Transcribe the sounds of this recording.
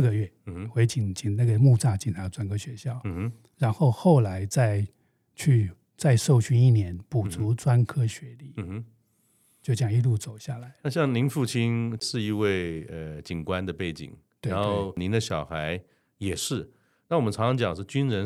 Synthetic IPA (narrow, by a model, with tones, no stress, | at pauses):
ɡə˨ɥɛ˥˩˧we˧˥ɪt͡ɕi˨˩nt͡ɕi˨˩ŋna˥˩ɡə˩mu˥˧t͡sa˥˩t͡ɕi˧˩nt͡sʰa˧˥˧ʈ͡ʂwa˥nkʰɤ˥ɕɥɛ˧˥ɕjɑ˥˩ʊ˧ | ɻa˧˥nxo˥˧ʊxo˥˩ʊla˧˥ɪt͡sa˥˧ɪ | t͡ɕʰy˥˧ | t͡sa˥˧ɪʂo˥˩ʊɕy˥ni˥˩njɛ˧˥npu˨˩t͡sʰu˧˥t͡swa˥nkʰɤ˥ɕɥɛ˧˥li˥˩˧ | t͡ɕjo˥˩ʊt͡ɕjɑ˥˩ŋi˥˧lu˥˩t͡so˨˩ʊɕja˥˩la˧˥ɪna˥˧ɕ̬jɑ˥˩ŋli˧˥nfu˥˩t͡ɕʰi˥nʂɻ̩˥˧i˥˧we˥˩ɪə˧˩t͡ɕi˨˩nkwa˦nd̪ə˨pe˥˩ɪt͡ɕḭ˨˩ŋɻt̪we˥a˧˥nxo˥˩ʊni˧˥nd̪ə˧ɕjɑ˨˩ʊxa˧˥ɪ | jɛ˨˩ʂɻ̩˥˩ | na˥˩wɔ˨mə˦nʈ͡ʂʰɑ˧˥ŋʂʰɑ˧˥ŋt͡ɕjɑ˨˩ŋʂɻ̩˥˩t͡ɕy˥nɻə˧˥n